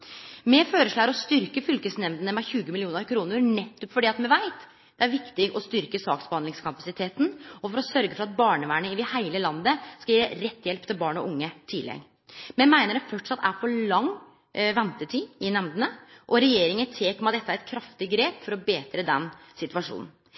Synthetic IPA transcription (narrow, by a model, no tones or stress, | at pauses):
mɛføːɾəʂɭɑːɡɾɔst̪ʏɾkəfʏlkəsnɛmd̪ənəmɛçʉːɡəmɪlɪuːnəɾkʰɾuːnəɾnɛt̪ʰːɔpːfɔɖiːɑt̪mɛʋæɪt̪ | d̪̥ɛæɾʋɪkt̪ɪɡɔst̪ʏɾkəsɑːksbəhɑnd̪ɪŋskʰɑpɑsɪt̪ʰeːt̪nɔfɔɾɔsœɾɡəfɔɾɑt̪̚bɑːɳəʋæːɳəɪd̪ɪhæɪləlɑnd̪əskɑjeːɾɛt̪ːjɛlpt̪ʰɪlbɑːɳɔ̰ʔʊŋːət̪ʰɪlːɛ̰ɡ | mɛmæɪnəɾɛfœʈʂɑt̪ːæɾfɔɭɑŋ | ʋɛnt̪ət̪ʰiːɪnɛmd̪ənəʔɔɾɛjeːɾɪŋət̪ʰeːkɔmɑt̪d̪ɛt̪ːæɾɛt̪̚kʰɾɑft̪ɪɡɾeːpfɔɾɔbeːt̪ɾəd̪ɛnsɪt̪ʉʋɑʂṵːnn̩